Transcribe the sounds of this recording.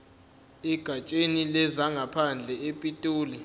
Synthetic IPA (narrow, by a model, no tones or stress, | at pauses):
ɛɡ̥ʱat͡ʃʼenilɛzaŋɡʱapʰand͡ɮʱɛepʼitʼoːli